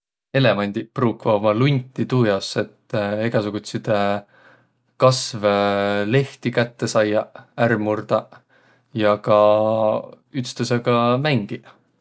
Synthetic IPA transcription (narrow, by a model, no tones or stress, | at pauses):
e̞le̞mɑnʲd̪̥ʲipruːkvɑmɑlunʲt̪ʲːit̪uːjɑse̞t̪ːeɡ̥ɑsuɡ̥ut̪sid̪̥ | kɑsvle̞ht̪ikæt̪ːesɑjːɑærmurd̪̥ɑ | jɑkɑ | yt̪st̪ɑseɡ̥ɑmæŋɡ̥i